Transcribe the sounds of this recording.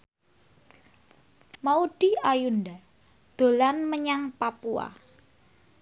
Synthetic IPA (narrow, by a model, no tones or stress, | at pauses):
maud̪̥i̤ajund̪a | d̪̥o̤lanməɲaŋpapua̰